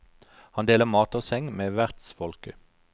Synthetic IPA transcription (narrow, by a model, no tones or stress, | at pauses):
hɑnd̪eːləmɑːt̪ɔsɛŋmeːʋæʁt̪sfɔlkə